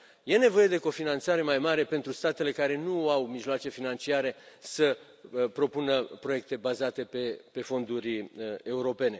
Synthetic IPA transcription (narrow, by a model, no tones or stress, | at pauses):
je̞ne̞vo̞je̞d̪e̞ko̞finant̪saɾe̞majmaɾe̞pent̪ɾust̪at̪e̞le̞kaɾe̞nuawmiʒloat͡ʃe̞finant͡ʃiaɾe̞sə | pɾo̞punəpɾo̞je̞k̚t̪e̞bazat̪e̞pe̞pe̞fo̞nd̪uɾʲe̞uɾo̞pe̞ne̞